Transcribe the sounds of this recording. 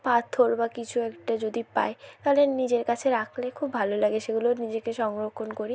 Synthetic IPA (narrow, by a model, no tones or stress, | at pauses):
pat̪ʰːoɾbakit͡ɕʰuɛkʈad͡ʑod̪ipa̰et̪aɦolenid͡ʑeɾkat͡ɕʰeɾakʰlekʰubʱalolaɡeʃeɡuloɾnid͡ʑekeʃɔŋɾokʰːonkoɾi